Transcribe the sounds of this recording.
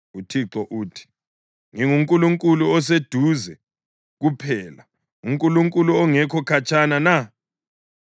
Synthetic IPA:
utʰiǁɔʔuːtʰi̥ | ŋiŋuŋkʼuluŋkʼuluɔs̬ed̥ʱuzɛ | ɣupʰɛːla | uŋkʼuluŋkʼuluɔŋɛkʰɔkʰat͡ʃʼanana

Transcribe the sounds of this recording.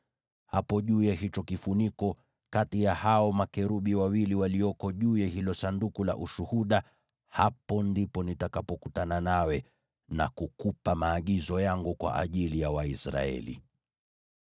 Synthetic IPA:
hapɔʄuːjaɦit͡ʃɔkifunikɔ | katijahaɔmakɛɾuɓiwawiliwaliɔkɔʄuːjahilɔsandukula̰ʔuʃuhuɗa | hapɔndipɔnitakapɔkutananawɛ | na̰kukupamaːɠizɔjaŋɡukwa̰ʔa̰ʄilijawaisɾa̰ɛ̰lḭ

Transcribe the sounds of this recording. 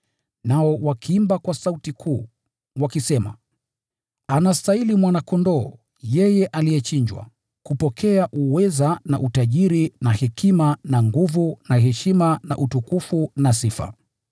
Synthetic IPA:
naɔwakʰiimbakwasautikʰuː | wakisɛma̰ | anastailimwanakɔndɔː | jɛjɛʔalijɛt͡ʃiɲd͡ʒwa̰ | kupɔkʰɛaʔuwɛzana̰ʔutaʄiɾinahɛkʰimanaŋɡuvunaɦɛʃimana̰ʔutukufunasifa̰

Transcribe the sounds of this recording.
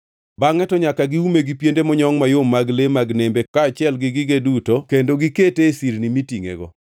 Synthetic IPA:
baŋɛtɔɲakaɡiumeɡipjendemɔɲɔŋmajomːaɡlemaɡnembekaːt͡ʃɪɛlɡɪɡɪɡedutokendoɡiketesiɾnimitiŋḛɡɔ̰

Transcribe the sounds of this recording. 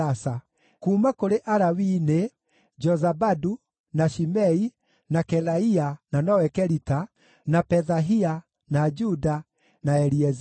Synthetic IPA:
asa | kumakoɾeʔaɾawine | d͡ʒɔzabadu | naʃimɛi | nakɛlaiananɔwɛkɛɾita | napɛðaɦia | nad͡ʒuda | naɛɾiɛz

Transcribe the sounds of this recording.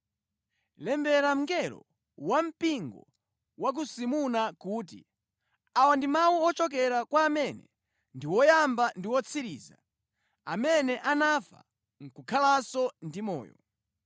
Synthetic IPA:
lɛmbɛɾam̩ɡɛɾɔ̰ | wam̩piŋɡɔ̰ | wak̬usimunakuːt̬ḭ | awandimawuɔt͡ʃɔk̬ɛɾakwaːmɛnɛ̰ | ndiwɔjambandiwɔt͡sʰiɾḭːza̰ | amɛnɛʔanafa̰ | ŋ̩kukʰalasɔndimɔ̰ːjɔ̰

